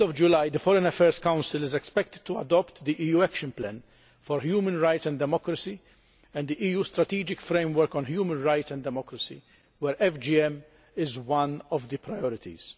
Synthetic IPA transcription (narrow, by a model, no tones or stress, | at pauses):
ɔvd͡ʒʊlajd̪əfɔɾɛ̃nɐfɛːɾskãwnsɪlɪzɛkspɛk̚t̪ɪd̪̚t̪ːuɐd̪ɔpt̪d̪iʔiːjuːɛkʃɨ̃nplɛ̰̃n | fɔɾhjuːmə̃nɾajt̪sɛ̃nd̪d̪ɛmɔkɾɐsi | ɛ̃nd̪d̪iʔiːjuːst̪ɾɐt̪iːd͡ʒɪkfɾẽɪmwɛɾkɔ̃nhjuːmə̃nɾajt̪sɛ̃nd̪ɛmɔkɾɐsḭ | wɛɾɛfd͡ʒiɛm | ɪzwɐ̃nɔvd̪əpɾajɔɾɪt̪ḭz̥